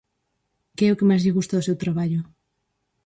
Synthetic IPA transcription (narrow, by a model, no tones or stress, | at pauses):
keɛokemazʎeɣust̪aðosewt̪ɾaβaʎo